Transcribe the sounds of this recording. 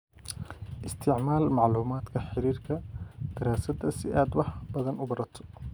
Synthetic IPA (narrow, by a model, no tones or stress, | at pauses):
ʔɪst̪ʰɪʕmaːlmɑʕluːmaːd̪kʰɐħɪɾiːrkʰɐd̪̥ɪɾaːsɐd̪ɐsɪaːd̪wɑħbɐðɐnʊbɐrɐt̪ʰɔ̥